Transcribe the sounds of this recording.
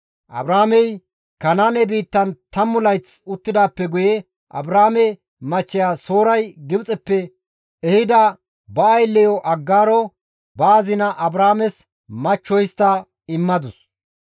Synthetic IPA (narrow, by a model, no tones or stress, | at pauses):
ʔɐ̰bɾaːmɛj | kɐnaːnɛbiːt̪ːɐnt̪ɐmːʊlɐjt͡sʊt̪ːɪd̪aːpːɛɡʊjɛ | ʔɐ̰bɾaːmɛ | mɐt͡ʃːɪjaːso̞ːɾɐjɡɪbt͡sʼɛpːɛ | ɛhɪd̪ɐ | bɐːjlːɛjɔʔɐɡːaːɾɔ | baːzɪnɐʔɐbɾaːmɛs | mɐt͡ʃːɔjst̪ːɐ | ɪmːɐd̪ʊs